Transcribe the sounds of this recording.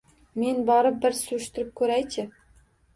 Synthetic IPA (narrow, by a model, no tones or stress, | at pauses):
menbɑɾɤp̚bɘɾsŭʃt̪ɘ̆ɾɘp̚kʲʰɵɾæjt͡ɕʰɘ̆